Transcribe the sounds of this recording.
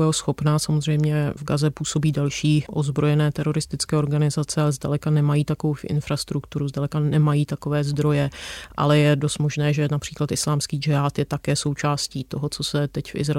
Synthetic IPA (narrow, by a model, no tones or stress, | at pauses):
ɛosxo̞pnaːsamozr̝ɛjmɲɛvɡazɛpuːso̞biːdalʃiːʔozbɾo̞jɛnɛːt̪ɛɾo̞ɾɪst̪ɪt͡skɛːoɾɡanɪzat͡sɛalɛzdalɛkanɛmajiːt̪akovofʔɪ̰nfɾast̪ɾukt̪uɾuzdalɛkanɛmajiːt̪akovɛːzd̪ɾo̞jɛʔa̰lɛjɛdost̪mo̞ʒnɛːʒɛnapr̥iːklat̪ʔɪslaːmskiːd͡ʒɪaːt̪jɛt̪akɛːso̞wt͡ʃaːsciːt̪oɦot͡so̞sɛt̪ɛcfʔɪ̰zɾ